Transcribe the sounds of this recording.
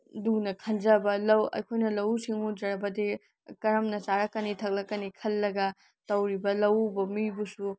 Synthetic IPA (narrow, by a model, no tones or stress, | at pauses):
dunɐkʰɐnd͡ʒɐbɐlɐwɐ̰jkʰojnɐlɐwsiŋud͡ʒɐɾɐbɐdi | kɐɾɐmnɐsaɾɐkːɐnitʰɐk̚lɐkːɐnikʰɐlːɐɡɐ | tɐwɾibɐlɐwbɐmibusu